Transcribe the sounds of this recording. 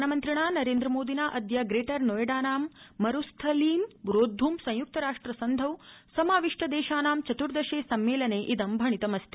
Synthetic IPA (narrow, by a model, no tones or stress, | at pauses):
ɐnɐmɐnt̪ɾiɳaːnɐɾeːnd̪ɾɐmoːd̪inaːʔɐd̪jɐɡɾeːʈɐɾnoːjɐɖaːnaːmːɐɾust̪ʰɐliːmɾoːd̪ʱːumsɐ̃jjuk̚t̪ɐɾaːʂʈɾɐsɐnd̪ʱɐwsɐmaːʋiʂʈɐd̪eːʃaːnaːmt͡ʃɐt̪uɾd̪ɐʃeːsɐmːeːlɐneːʔid̪ɐmbʱɐɳit̪ɐmɐst̪i